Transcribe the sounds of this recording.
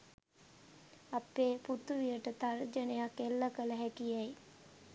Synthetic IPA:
apeːput̪uʋijəʈət̪ard͡ʒənejakelːəkələɦɛkijej

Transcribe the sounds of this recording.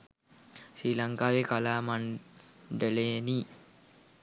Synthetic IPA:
siːlaŋkaːʋekalaːmaɳ | ɖəleːniː

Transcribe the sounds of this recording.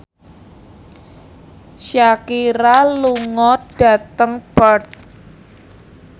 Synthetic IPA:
ʃakiɾaluŋɔd̥a̤t̪əŋbərt̪̚

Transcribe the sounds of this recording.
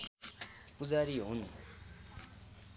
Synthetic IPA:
kud͡zaɾiɦunu

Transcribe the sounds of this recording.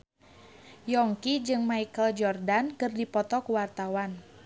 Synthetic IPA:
jɔŋkid͡ʒɨŋmaikəld͡ʒɔrdankɨrdipɔt̪ɔkuwart̪awan

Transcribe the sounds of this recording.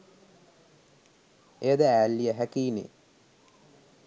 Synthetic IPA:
ed̪əæːlːijəɦækiːnḛ

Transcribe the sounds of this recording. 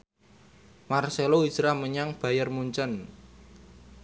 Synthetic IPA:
marseloi̥ʒ̥ɾahməɲaŋb̥ä̤jərmuɲt͡ʃən

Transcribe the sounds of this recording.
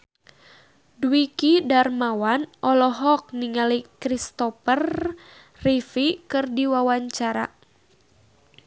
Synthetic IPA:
dwikidarmawanʔɔlɔɦɔk̚niŋalikɾist̪ɔpər | rifikɨrdiwawaɲt͡ʃaɾa̰

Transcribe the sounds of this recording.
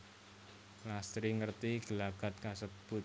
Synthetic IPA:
last̪ɾiŋərt̪iɡ̥əlaɡ̥a̤t̪̚kasəb̥ʊ

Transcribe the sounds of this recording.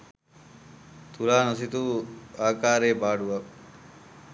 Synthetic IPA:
t̪ʰulaːnos̬it̪uaːkaːɾeːbaːɖuʋɐk

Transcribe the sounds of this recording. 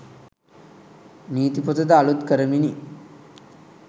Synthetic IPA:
niːt̪ipɔt̪ɐd̪aalut̪kəɾɐmini

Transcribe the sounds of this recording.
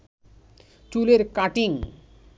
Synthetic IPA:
t͡ɕuleɾkaʈiŋ

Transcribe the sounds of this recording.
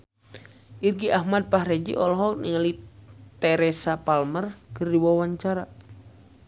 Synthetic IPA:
ʔirɡiʔahmad̪̚paɦɾɛd͡ʒḭʔɔlɔɦɔk̚niŋəlit̪ɛɾɛsapalmərkɨrdiwawaɲt͡ʃaɾa

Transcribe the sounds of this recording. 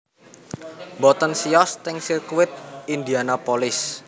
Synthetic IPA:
bɔt̪ənsiɔst̪ɪŋsirkuwɪt̪̚ind̪ianapolɪs

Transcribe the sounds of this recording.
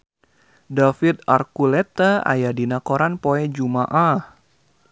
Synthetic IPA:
dafit̪arkulɛt̪aa̰jadinakoɾanpoɛd͡ʒumaʔah

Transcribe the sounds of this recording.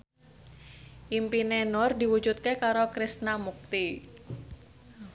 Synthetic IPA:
ʔimpinenɔrdiwu̥d͡ʒut̪̚kekaɾokɾist̪namuk̚t̪i

